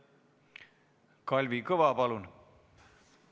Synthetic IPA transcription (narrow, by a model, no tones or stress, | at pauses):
kɔlʲʋikoʋaːpalun